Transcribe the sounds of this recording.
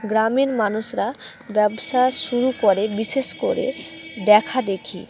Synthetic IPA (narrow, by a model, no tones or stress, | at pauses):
ɡɾamenmanuʃɾa | bɛbʃaʃuɾukoɾebiʃeʃkoɾḛ | d̪ɛkʰad̪ekʰḭ